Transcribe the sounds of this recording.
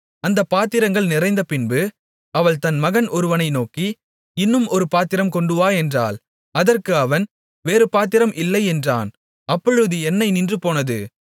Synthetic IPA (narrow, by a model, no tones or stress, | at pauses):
ɐnd̪ɐpːaːt̪ɪɾɐŋɡɐɭnɪrɐɪnd̪ɐpɪnbɯ | ɐʋɐɭt̪ɐnmɐɣɐnɔɾɯʋɐnɐɪnoːki | ɪnːɯmɔɾɯpaːt̪ɪɾɐmkɔɳɖɯʋaːɛndra̰ːl | ɐðɐrkɯɐʋɐn | ʋeːɾɯpaːt̪̬ɪɾɐmʔɪlːɐɪɛndra̰ːn | ɐpːɔɻɯðɯɛnːɐɪnɪndrɯpoːnɐðɯ̰